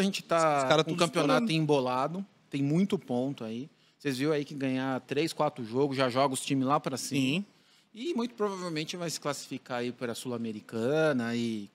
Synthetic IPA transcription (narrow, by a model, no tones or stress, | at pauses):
ɐʒẽnt͡ʃɪ̥t̪aaɾɐ̃kɐ̃mpionat̪ʊ̃ĩbolad̪ʊ | t̪ẽj̃mũj̃t̪ʊpõnt̪ʊai | sezviw̃aikɪɡɐ̃ɲat̪ɾeskwat̪ɾʊʒoɡʊʒaʒɔɡʊst͡ʃĩmɪlapɾɐsĩmɐ | ɪmũj̃t̪ʊ̥pɾovavewmẽnt͡ʃɪvajsɪ̥klasi̥fikaipɾɐsulameɾikɐ̃nɐɪ